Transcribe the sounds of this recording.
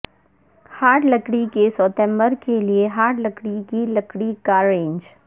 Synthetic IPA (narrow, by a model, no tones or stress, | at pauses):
haːʈləkɽikesɔːt̪ɛ̃mbəɾkelieɦaːʈləkɽikilɐkɽikaːɾẽːɲd͡ʒ